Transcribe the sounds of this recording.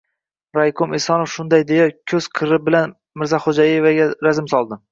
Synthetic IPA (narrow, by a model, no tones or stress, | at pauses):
ɾajkʰʊmesɒnofʃʊnd̪ajd̪ejakʲʰɵz̥qʰɨɾɪbɪlan | mɪɾzaχod͡ʒajevaɡʲaɾazɪmsɒlˠd̪ɪ